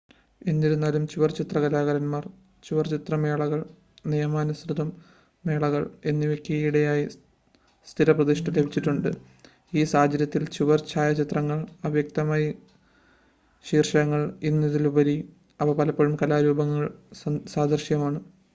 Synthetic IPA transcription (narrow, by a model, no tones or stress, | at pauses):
e̞nːiɾunːaːlumt͡ɕiʋɐrt͡ɕit̪rɐɣɐlaːɣɐɾɐnmaːr | t͡ɕuʋɐrt͡ɕit̪rɐmeːɭɐɣɐɭ | nijɐmaːnɐsrɨd̪ʱɐmː | e̞ːɭɐɣɐɭe̞nːiʋekːiɐjiɽejaːji | st̪ʰiɾɐprɐd̪iʂʈɐlebʱit͡ɕːiʈːuɳɖɨ | iːsaːd͡ʑɐɾjɐt̪ːilt͡ɕuʋɐrt͡ɕaːjɐt͡ɕit̪rɐŋːɐɭɐʋjɐk̚t̪ɐmaːjɐ | ɕiːrʂɐɐŋːɐɭinːiðilubɐɾi | ɐpːɐpɐlɐpːoɻumkɐlaːɾuːbɐŋːɐɭsaːd̪ʱɐrʂjɐmaːɳɨ